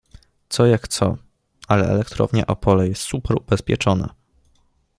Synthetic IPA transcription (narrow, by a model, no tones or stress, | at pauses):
t̪sɔjakt̪sɔ | alɛɛ̰lɛkt̪ɾɔ̰vɲɛʔɔpʰɔlɛjɛst̪supɛɾubɛspʲjɛt͡ʂɔnɛ̰